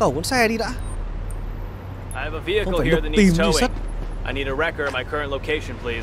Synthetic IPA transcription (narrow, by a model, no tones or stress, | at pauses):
kəwkṵənsɛɗiɾa̰ː | aɪɨvəviɨkwl̩ˠahiɹðɨniimʰoʊɪ̃sət̚ʔaɪniɾɨɹɛkə˞maɪkʰɜ˞ɨ̃nʔloʊkʰeɪʃɨ̃npʰl̥iz